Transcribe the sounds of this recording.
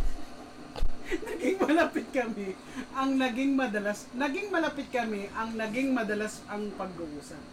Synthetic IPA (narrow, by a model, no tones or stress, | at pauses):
nɐɡɪŋmɐlɐpɪt̪̚kɐmɪ | ʔɐŋnɐɡɪŋmɐd̪ɐlasnɐɡɪŋmɐlɐpɪt̪̚kɐmɪʔɐŋnɐɡɪŋmɐd̪ɐlasɐŋpɐɡ̚ːʊʔuːsɐn